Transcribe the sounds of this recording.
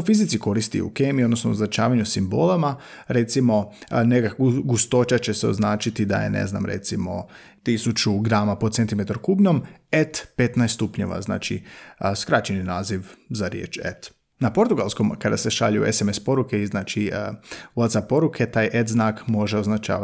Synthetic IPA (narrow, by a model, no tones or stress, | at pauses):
fizit̪siko̞ɾist̪ḭṵkeːmiod̪no̞snooznat͡ʃaːʋaɲusimbo̰lˠamaɾe̞t̪simo̞nekakuɡust̪o̞t͡ʃat͡ɕe̞seo̞̰znaːt͡ʃit̪id̪a̰jḛnḛzna̰mɾḛt̪simo̞̰ | t̪isut͡ʃuɡɾaːmapod̪t̪sent̪imet̪aɾkubɲo̞met̪pet̪najst̪t̪upɲo̞̰ʋa̰zna̰ːt͡ʃḭskɾat͡ʃeninaːziʋzaɾjḛːt͡ʃḛt̪ | napo̞ɾt̪uɡalsko̞mkad̪ase̞ʃa̰ʎṵesemespo̞ɾukeiznaːt͡ʃi | ulat̪sapo̞ɾukʰe̞t̪aːjʔet̪znaːkmo̞ʒeoznat͡ʃa̰ː